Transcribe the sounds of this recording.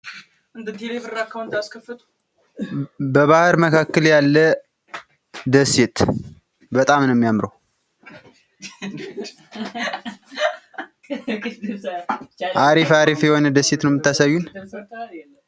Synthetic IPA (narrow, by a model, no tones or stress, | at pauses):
ʔɨnd̪ət̪ʰelefɨɾakʰːawnt̪ʰaskʰəfːɨt̪ʰu̥ | bəβahɨɾməkʰakːəljalːə | d̪əset̪ | bət̪ʼamnəɛmːijamɾəw | ʔaɾifaɾifjɛho̞nəd̪əset̪nəwmɨt̪ːasajːun